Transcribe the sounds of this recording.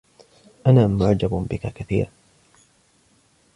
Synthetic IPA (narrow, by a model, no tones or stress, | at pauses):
ʔanaːmʊʕd͡ʒabbɪkakaθḭːɾ